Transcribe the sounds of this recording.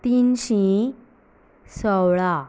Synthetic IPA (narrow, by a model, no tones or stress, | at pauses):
t̪inɕĩ | səwɭa